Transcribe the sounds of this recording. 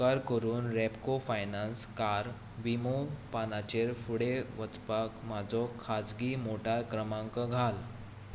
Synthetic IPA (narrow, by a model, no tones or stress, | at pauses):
aɾkəɾuːnɾɛpkofajnanskaɾ | ʋimopanat͡ɕeɾfuɽeʋət͡spakmad͡zɔkʰad͡zɡiːmoʈaɾkɾəmãŋkəɡʱal